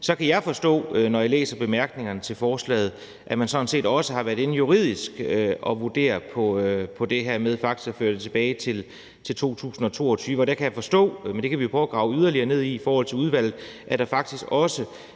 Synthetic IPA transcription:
sɒ̽kʰæjɑ̈ɪfɒ̽sd̥ɔ̰̽ːnɒjɑlḛːsɐb̥e̝mæɐɡ̥ne̝ŋɐnət͡sʰe̝lfɒːslɛ̰ːð̞̩ˠ | ʔæmænsɒ̽n̩se̝̰ːd̥ɒ̽səɦɑ̈ʋæɐðˠe̝n̩juʁið̞̰ˠisɡ̥ɒ̽ʋud̥e̝̰ːɐpʰɒ̽pʰɒ̽d̥e̝ɦæɐ̰með̞ˠfɑ̈ɡ̥̚d̥i̥sɡ̥æføːɐd̥et͡sʰe̝b̥ɛːɪt͡sʰe̝l | t͡sʰe̝lt͡sʰo̝̰ːt͡sʰṵːsn̩ɒ̽t͡sʰo̝̰ːɒt͡sʰyːʋəɒɾ̥ækʰæjɑ̈fɒ̽sd̥ɔ̰̽ːmend̥e̝kʰæʋio̝pʰʁɒʊːɡ̥ʁɑ̈ʊyðˠɐliɐne̝ð̞̰ˠiːfɒːhɒ̽l̰t͡sʰe̝uð̞ˠʋæl̰ð̩ˠʔæd̥ɑ̈fɑ̈ɡ̥d̥isɡ̥ɒ̽sə

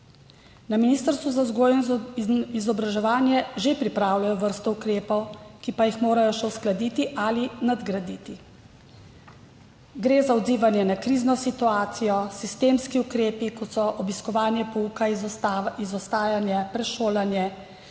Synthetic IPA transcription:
naminiːst̪əɾst̪ʋuzazɡoj | izɔbɾaʒɛʋaːnjɛʒepɾipɾaːwlajɔʋəɾst̪ɔukɾeːpɔwkipajixmoːɾajɔʃɛwsklad̪iːt̪iʔalinad̪ɡɾad̪iːt̪i | ɡɾezaɔd̪ziːʋanjɛnakɾiːznɔsit̪uaːt̪sijɔsist̪eːmskiukɾeːpikɔt̪sɔʔɔbiskɔʋaːnjɛpɔuka | izɔst̪aːjanjɛpɾɛʃoːlanjɛ

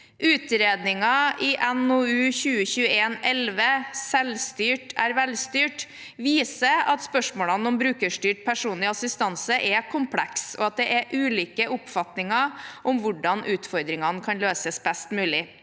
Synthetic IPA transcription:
ʔʉːt̪ɾeːd̪nɪŋɑɪʔɛnoʉːçʉːəçʉːəeːnɛlʋəsɛlst̪yːʈʰæɾʋɛlst̪yːʈ | ʋiːsəɑt̪spœʂmoːlɑnɔmbɾʉːkəʂʈyːʈ̚pʰæʂuːnlɪɑsɪst̪ɑnsəʔɛkʰʊmpʰlɛksɔɑt̪̚d̪ɛʔɛʔʉːliːkəʔʊpfɑt̪nɪŋɑʔɔmʋʊɖɑnʔʉːt̪fɔɾd̪ɾɪŋɑnkʰɑnløːsəsbɛst̪mʉːlɪ

